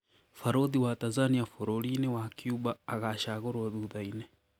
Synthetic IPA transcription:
faɾoðiwatanzaniafoɾoɾinewakjuβaːɣaʃaɣoɾwoðuðaine

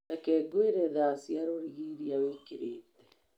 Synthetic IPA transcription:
akɛːɡweɾɛðasiaɾoɾiɣiɾiawekeɾeːt̪ɛ̥

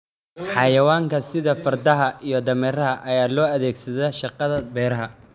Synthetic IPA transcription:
ħɑjɐwaːŋkʰɐsɪðɐfɐrd̪ɐɦɐʔijɞd̪ɐmɛːɾɐɦɐʔɐjaːlɔːɐðɛːɡsɐðɛʃɑqɑðɐbɛːɾɐɦɐ

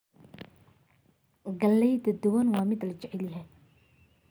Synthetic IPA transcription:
ɡɐlːɛjd̪ɐd̪ʊwɐnwɑːmɪd̪lɐt͡ʃɛʕɛljɦɛ

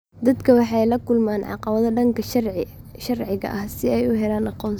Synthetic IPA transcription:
d̪ɐd̪kʰɐwɑħɑjlɐkʰʊlmaːnʕɑ̰qɑβɐðɐɖɐŋkʰɐ | ʃɐrʕɪɣɐ̰ʔɐhsɪɛjʊɦɛlaːnɑqɔːn

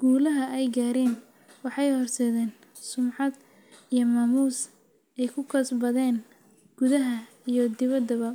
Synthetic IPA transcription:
ɡ̥uːlɐɦɐʔɛjɡaːɾɛːn | wɑħɑjhɔrsɛːðɛːn | sʊmʕɑd̪ | ijɔmaːmuːs | ɛjkʰʊkʰɐsbɐðɛːn | ɡ̥ʊðɐɦɐ | ijɔd̪ɪβɐd̪ɐβɐ

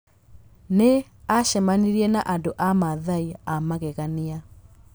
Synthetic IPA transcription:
ne | aʃɛmaniɾiɛnaʔandoʔamaðaiamaɣɛɣania

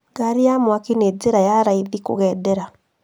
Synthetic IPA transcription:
ɡaɾijamwakined͡zeɾajaɾaiðiko̰ɣɛːdɛɾa

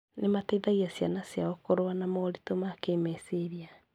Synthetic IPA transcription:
nemateðaɣiasjanasjaokoɾowanamɔoɾitomaːkemɛseɾia

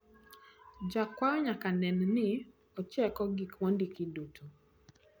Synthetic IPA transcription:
d͡ʒakwaɾɔɲakanɛnnɪ | ɔt͡ʃɛkɔɡikmɔndikidutʰo

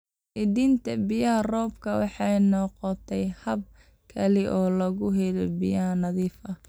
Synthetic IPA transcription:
ʔɪðiːnt̪ʰɐbɪjɐɦɐrɔːbkʰɐwɑ̰ħɑjnɔqɔt̪ʰɛjhɐb̚ | kʰɐlɪʔɔːlɐɣʊɦɛlɛbijɐhɐnɐðiːfɐ

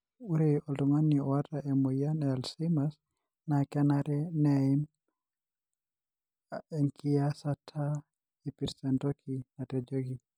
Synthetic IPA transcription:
uɾɛɔlɔmaniɔwataʔɛmɔjanɛalsimas | nakɛnaɾɛnɛim | ɛŋkiasatʰa | ipiɾsɛndɔkʰinatɛd͡ʒɔɡi

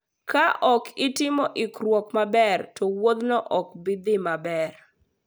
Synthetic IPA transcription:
kaʔɔkɪtɪmɔʔɪkɾwɔkmabɛrtɔwod̪nɔʔɔk̚bɪd̪ɪmabɛr

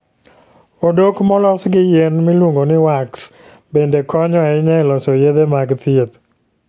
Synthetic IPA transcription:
odokmɔlɔsɡɪjenmilwoŋɡonɪwaks | bendekɔɲɔaɪɲɛlɔsɔjed̪emaɡt̪iet̪

